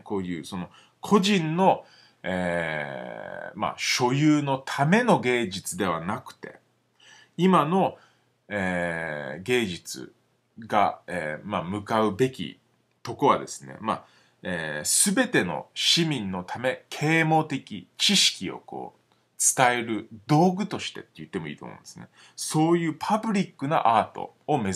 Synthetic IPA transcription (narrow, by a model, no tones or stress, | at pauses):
ko̞ːjɯːso̞no̞ | kʰo̞ʑĩnːo̞ | eː | ma̰ɕo̞jɯːno̞t̪ʰame̞no̞ɡe̞ːd͡ʑit͡sɨd̪e̞β̞anakɯ̟̥t̪e̞̰ | imano̞ | eː | ɡe̞ːd͡ʑit͡sɨ̰ | ɡaeːmamɯ̟kaɯ̟be̞kʲḭ | t̪o̞koβa̰d̪e̞sɨnḛma̰ | eːsɨbe̞t̪e̞no̞̰ɕimʲĩnːo̞t̪ʰame̞kʰe̞ːmo̞ːt̪e̞kʲḭt͡ɕiɕi̥kʲio̞̰ko̞̰ː | t͡sɨ̥t̪ae̞ɾɯ̟d̪o̞ːɡɯ̟t̪o̞ɕi̥t̪e̞̰t̪ːejɯ̟t̪ːe̞mo̞ḭːt̪omõ̰ne̞sɨne | so̞ːjɯ̟ːpʰabɯ̟ɾʲikːɯ̟na̰ʔaːt̪o̞̰ːme̞